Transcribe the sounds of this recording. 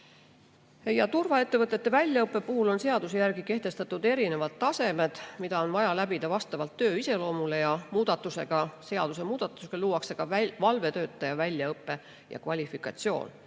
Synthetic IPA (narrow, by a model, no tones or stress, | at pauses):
jɑt̪urvɑe̞t̪ːe̞vɤt̪ːˑe̞t̪ːe̞vælʲjɑɤpːe̞puhulo̞nse̞ɑd̪̥usejærɡike̞ht̪e̞st̪ɑt̪ːˑud̪̥e̞ɾine̞vɑt̪ːɑse̞me̞d̪̥mid̪̥ɑo̞nvɑjɑlæbid̪̥ɑvɑst̪ɑvɑlt̪ːø̞ːise̞lo̞ːmule̞jɑmuːd̪̥ɑt̪ːˑuse̞̰ɡ̥ɑse̞ɑd̪̥usemuːd̪̥ɑt̪ːˑuskɑluːɑkseɡ̥ɑvɑlve̞t̪ø̞ːt̪ːˑɑjɑvælʲjɑɤpːe̞ | jɑ̰kvɑlʲifikːˑɑt̪sio̞̰ːn